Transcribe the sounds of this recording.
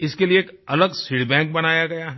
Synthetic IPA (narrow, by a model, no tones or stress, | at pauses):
ɪskelieːk | ɐləɡsiɽbɛ̃ːŋk̚bɐnaːjaɡɐjaɦɛ